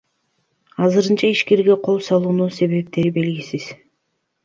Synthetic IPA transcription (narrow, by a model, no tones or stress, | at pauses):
ɑzɯɾɯnt͡ʃɑiʃke̞ɾɡe̞qʰo̞lˠsɑlˠuːnuse̞βe̞p̚t̪e̞ɾibe̞lɡisiz̥